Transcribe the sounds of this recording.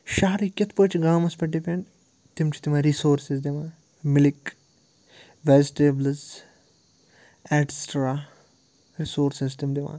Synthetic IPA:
ʃaːɾikʲɐt̪ʰpəːt͡ʃʰɡãːmɐspɐʈ̚ːipʲeɳ | t̪imt͡ʃʰi̥t̪imãːɾisoːɾsizd̪iʋãː | mɪlik | ʋeːd͡ʒʈeblz | ɛʈsʈɾaː | ɾisoːɾsizt̪imd̪iʋã̰ː

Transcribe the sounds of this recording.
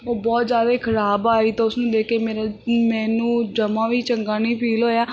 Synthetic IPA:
oːbɔːt̪zjaːd̪eːkʰəɾaːbaːiːt̪ãːʊsnũːd̪eːkeːmeːɾaːmɛ̃ːnũːd͡ʒəmãːʋiːt͡ʃəŋɡãːniːpʰiːloːjaː

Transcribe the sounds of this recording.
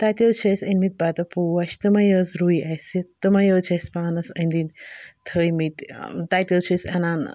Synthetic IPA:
t̪aːt̪ʲət͡ʃʰɐsʲɐnmit̪̚bat̪ɐpuːwɐʃt̪ɐmɐjəːzɾuiʔɐjsit̪ɐmɐjəːt͡ʃʰɐsʲpaːnɐsɐnd̪int̪ʰəːjmit̪ʲt̪aːjt̪ʲəwt͡ʃʰɐsʲɐ̰naːn

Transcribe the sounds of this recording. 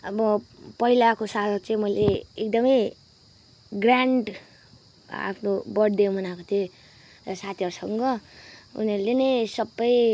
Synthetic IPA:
ʌbʌpʌilakosat̪ʌɾt͡saĩmʌileek̚d̪ʌmʌj | ɡraɳɖ | a̰pʰnobʌɽd̪emʌnakot̪ʰjo | ʌsat̪ʰiʌɾusʌŋɡʌṵniʌɾulenʌjsʌbːʌj

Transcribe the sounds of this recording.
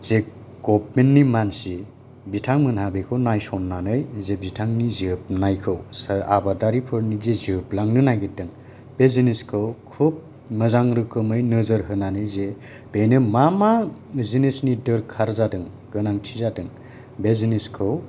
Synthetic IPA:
ze | ɡɔp̚menːimansi | bitʰaŋmɯnɦabekʰɯwnajsɔnːanɯjzebitʰaŋnizip̚najkʰɯwsaa̰badaɾipʰɯɾnizeziplaŋnɯnajɡidɯŋ | b̥eziniskʰɯwkʰup̚ | mɯzaŋɾɯkɯmɯjnɯzɯɾɦɯnanɯjze | b̥enɯmamazinesnidɯɾkʰaɾzadɯŋ | ɡɯnaŋtʰizadɯŋ | beziniskʰɯw

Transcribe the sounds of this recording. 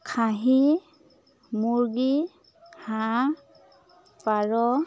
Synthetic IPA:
kʰaɦi | muɹɡi | hã | paɹɔ

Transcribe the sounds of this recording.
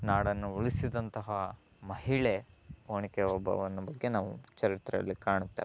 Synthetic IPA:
naːɽɐnːuuɭisid̪ɐnt̪ɐɦɐ | mɐɦiɭeoːɳikɛɔbʱɐ̰ʋɐnːɐbɐɡːe̞naːʋut͡ʃɐɾit̪ɾɐɐ̰lːikaːɳut̪ːeːʋe

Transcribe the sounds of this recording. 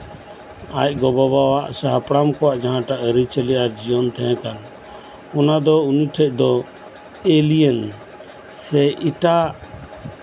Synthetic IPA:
a̰c̚ɡɔbaβawaʔsaɦapɽamkɔwaʔd͡ʒaɦãʈaʔəɾit͡ʃəlɛʔaɾd͡ʒiɔnt̪ʰɛ̃ɦɛ̃kan | ɔnad̪ɔuniʈʰɛc̚ˀd̪ɔ | elijɛn | sɛʔiʈa

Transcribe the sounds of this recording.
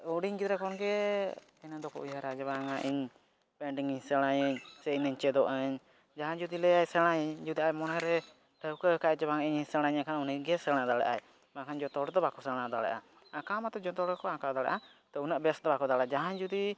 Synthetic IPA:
uɽiɲɡid̪ɾɛkɔnɡɛ | ɛnad̪ɔkɔ̰ʔujaɾad͡ʒɔbaŋaʔiɲ | pɛɳɖiŋiɲsəɽ̃ajəɲsɛinəɲt͡ʃɛd̪ɔʔəɲ | d͡ʒaɦãɲd͡ʒud̪ilɛajsɛɽ̃ajɲd͡ʒud̪iʔajmɔnaɾɛ | ʈʰəwkəkaɛd͡ʒɛbaŋaiɲiɲsəɽ̃aɲakʰanuniɡɛsəɽ̃ad̪aɽa̰ʔa̰j | makʰand͡ʒɔt̪ɔɽd̪ɔbakɔsəɽ̃ad̪aɽa̰ʔa̰ | akamat̪ɔd͡ʒɔt̪ɔɽɔkɔãkad̪aɽa̰ʔa | t̪ɔunəʔbɛsd̪ɔbakɔd̪aɽaʔad͡ʒaɦãɲd͡ʒud̪i

